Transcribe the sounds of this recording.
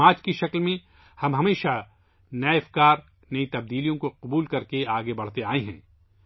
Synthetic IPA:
aːt͡ʃkiʃɐklmẽ | hɐmɦɐmeːʃa | nɐɪfkaːɾ | nɐit̪ɐb̚d̪iːlijõkoqʊbuːlkɐɾkeaːɡebɐɽ̤t̪eaːeɦɛ̰̃ː

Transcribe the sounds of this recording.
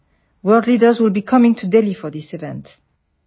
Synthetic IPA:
wɜ˞dlidə˞zwɪlˠbikʰʌmɪ̃ŋtʰudɛlifɔðisɨvɛ̃nt

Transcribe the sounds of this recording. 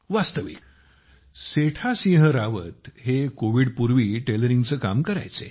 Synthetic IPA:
ʋast̪əʋḭːk | seʈʰasĩɦəɾaʋət̪ɦekoʋiːɽpuɾʋiːʈeləɾiŋɡt͡səːka̰mkəɾa̰jt͡sḛ

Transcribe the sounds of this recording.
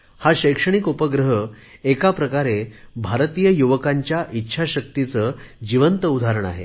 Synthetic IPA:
haɕəjkʂəɽ̃ikopəɡɾəɦə | ekapɾəkaɾebʱaɾt̪ijəjuʋəkaɲt͡ɕjaʔitːɕʰaɕək̚t̪it͡səːd͡ʑiʋənt̪əud̪ʱaɾəɳ̃a̰ɦḛ

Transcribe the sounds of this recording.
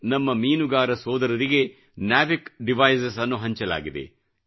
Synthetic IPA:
nɐmːɐmiːnuɡaːɾɐsɔːd̪ɐɾɐɾiɡe̞ | naːʋikɖiʋɐjsɐsɐnːuɦɐɲt͡ʃɐla̰ːɡid̪ḛ

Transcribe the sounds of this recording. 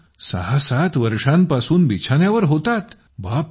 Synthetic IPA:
sə̰ɦasat̪ʋəɾʂãmpasuːnbit͡ɕʰanjaʋəɾɦot̪at̪ | bap̚

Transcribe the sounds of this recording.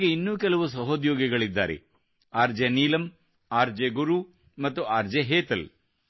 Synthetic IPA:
ɡeinːuːkɛlɐʋus̬ɐɦoːd̪jɔːɡɛɡɐɭid̪ːa̰ːɾḛ | aːɾd͡ʒeniːlɐm | aːɾd͡ʒeɡuɾu | mɐt̪ːuaːɾd͡ʒeɦeːt̪ɐl

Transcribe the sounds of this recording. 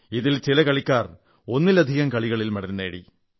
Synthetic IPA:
iðilt͡ɕilɐkɐɭikʲːaːr | o̞nːilɐd̪ʱiɣɐmkɐɭiɣɐɭilmɐɽɐɾnːeːɽḭ

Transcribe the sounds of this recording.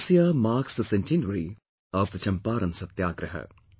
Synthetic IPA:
sijamaːɾksd̪əsɛ̃ntʰĩndəɾi | ɔvd̪ət͡ʃɐ̃mpaːɾɐ̃nsɐt̪jaːɡɾəɦə̰

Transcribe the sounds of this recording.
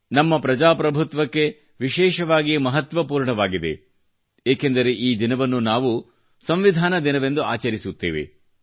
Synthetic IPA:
nɐmːɐpɾɐd͡ʒaːpɾɐbʱut̪ʋɐkːe̞ | ʋiʃɛːʃɐʋaːɡijɐmɐɦɐt̪ʋɐpuːɾɳɐʋaːɡid̪e̞̰ | eːkend̪ɐɾe̞ʔiːd̪inɐʋɐnːunaːʋu | sɐmʋid̪ʱaːnɐd̪inɐʋe̞nd̪uaːt͡ʃɐɾisut̪ːḛːʋḛ

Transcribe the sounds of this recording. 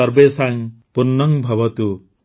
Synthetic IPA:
ɔɾbesaŋpunːɔŋbʱɔbɔt̪u

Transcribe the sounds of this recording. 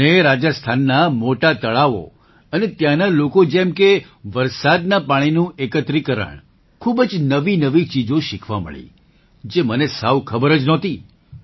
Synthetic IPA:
eɾad͡ʒəst̪ʰanːamoʈat̪əɭaʋo̰ | ənet̪janalokod͡ʒɛmke | ʋəɾsad̪napaɽ̃inũekət̪ɾikəɾə̰ɳ | kʰubəd͡ʒnəʋinəʋit͡ʃid͡ʒõʃɪkʰʋamə̰ɭḭ | d͡ʒemənesaʋkʰəbəɾəd͡ʒnɔt̪i

